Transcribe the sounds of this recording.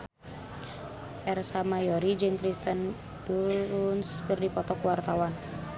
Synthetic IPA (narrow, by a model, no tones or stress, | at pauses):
ʔɛrsamajɔɾid͡ʒɨŋkɾist̪ən | d̥unskərdipɔt̪ɔkuwart̪awan